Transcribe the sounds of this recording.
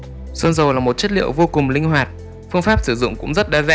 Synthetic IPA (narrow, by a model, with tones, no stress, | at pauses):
sə˧nzə˨˩wlaː˨˩mo˨˩t̚t͡ɕə˦˥t̚lḭ˧˨əwvo˧kʊ˨˩ŋ͡mlï˧ŋ̟ɦwaː˨˩t̚ | fɨ˧əŋfaː˦˥p̚sɨ˧˩zʊ̰˧˨ŋ͡mkʊ̰˧˥ŋ͡mzə˦˥t̚ɗaː˧zaː˧